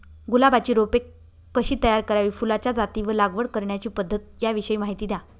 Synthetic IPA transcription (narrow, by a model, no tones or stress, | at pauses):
ɡulabat͡ɕiːɾopekː | əɕiːt̪əjaɾkəɾaʋiːfulat͡ɕjad͡zat̪iːʋəlaɡʋəɽkəɾɳjat͡ɕiːpəd̪ʱːət̪̚jaʋiɕəiːmaɦit̪iːd̪ja